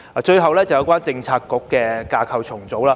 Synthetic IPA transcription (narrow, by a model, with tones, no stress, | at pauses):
aː˨˩t͡ʃɵ˧ɥɦɐ˨wlɛː˥t͡sɐ˨wjɐ˨˥wkʷaː˥nt͡sɪ˧ŋt͡sʰaː˧kːʊ˨˥kːɛː˧kaː˧kʰɐ˧wt͡ʃʰʊ˨˩ŋt͡so˨˥wlaː˧